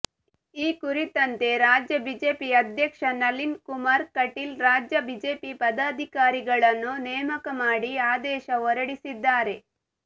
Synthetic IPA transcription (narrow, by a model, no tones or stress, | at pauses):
iːkuɾit̪ɐnt̪e̞ɾaːd͡ʒjɐbid͡ʒe̞ːpiɐd̪ʱjɐkʂɐnɐlinkumaɾkɐʈilɾaːd͡ʒjɐbid͡ʒeːpipɐd̪aːd̪ʱikaːɾiɡɐɭɐnːunɛːmɐkɐmaːɽiaːd̪ɛːʃɐʋɔɾɐɽisid̪ːaːɾe̞